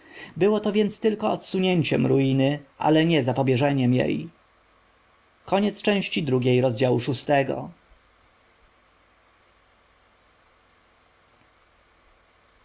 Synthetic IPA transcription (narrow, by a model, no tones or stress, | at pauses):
bɘwɔt̪ɔvʲjɛnt̪st̪ɘlkɔɔt̪suɲeɲt͡ɕɛ̰mɾujinɘʔa̰lɛɲɛzapɔbʲjɛʐɛɲɛmjḛj | kɔɲɛt̪st͡ʂɛ̃w̃ɕt͡ɕid̪ɾuɡʲejɾɔzd͡ʑawuʂust̪ɛɡɔ̰